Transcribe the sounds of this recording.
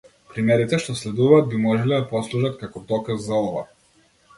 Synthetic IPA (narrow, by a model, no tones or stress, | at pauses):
pɾimɛɾit̪ɛʃt̪ɔslɛd̪uvaːd̪̚bimɔʒɛlɛd̪apɔslˠuʒat̪kakɔd̪ɔkazːaɔva̰